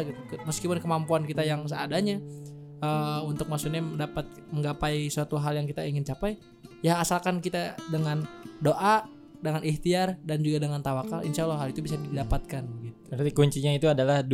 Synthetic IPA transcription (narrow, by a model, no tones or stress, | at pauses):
kməskipʊnkəmampuankit̪ajaŋs̬əadaɲaəunt̪ʊk̚maksuɲandapat̪̚ | məŋɡapaisəat̪uɦaljaŋkit̪aiŋɪnt͡ʃapaj | jahasalkankit̪adəŋandoʔa | dəŋaniht̪iardand͡ʒuɡadəŋant̪awakalḭnsalaɦalit̪ubis̬adidapat̪̚kanɡit̪ubənat̪ikuɲt͡ʃiɲait̪uadalahd